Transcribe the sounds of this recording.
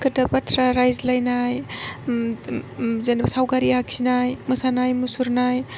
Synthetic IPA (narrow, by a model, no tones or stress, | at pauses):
kətapatʰɾaɾajzlajnaj | zanibsawɡaɾiaksinajmɯsanajmusuɾnaj